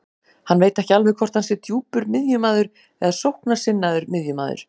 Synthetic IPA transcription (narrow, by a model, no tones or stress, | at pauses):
hanːveːjt̪ɛhcɪalvɛðkʰvɔr̥t̪ansɪɾt̪ʰjuːpʏɾmɪðjʏmaːðʏɾ̥ | ɛðasowhknasɪnːaðʏɾmɪðjʏma̰ːðʏ̰ɾ̥